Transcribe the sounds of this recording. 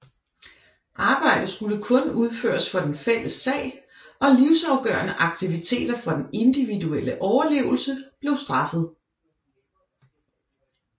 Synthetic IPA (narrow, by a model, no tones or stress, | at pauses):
ʔɑ̈ːb̥ɑ̈ɪ̰d̥ð̩ˠsɡ̥uləkʰɔ̽nuð̞ˠfø̰ːɐsfɒd̥enfel̰əsːɛ̰ɪ̰ | ɒ̽liʊsɑ̈ʊɡ̥ɶ̰ːɐnəʔɑ̈ɡ̥̚t͡sʰiʋit͡sʰe̝̰ːd̥ɐfɒd̥ene̝nd̥iʋiduel̰əʔɒʊɐle̝̰ːʊl̩səb̥le̝ʊsd̥ʁɑ̈fð̞̩ˠ